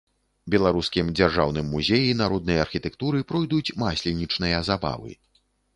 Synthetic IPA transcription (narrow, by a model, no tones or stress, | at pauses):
bʲɛlˠaɾuskʲimd͡zʲarʐawn̪ɨmːuzʲejinaɾɔd̪nɨjɐɐrxʲit̪ɛkt̪uɾɨpɾɔjd̪ut͡sʲmasʲlʲinʲit͡ʂnɨjɐzaba̰vɨ̰